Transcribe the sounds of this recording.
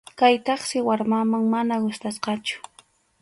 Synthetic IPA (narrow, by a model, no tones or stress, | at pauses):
kajt̪ɑχsɪwaɾmamaŋmanaɢʊst̪asqɑt͡ʃʊ̥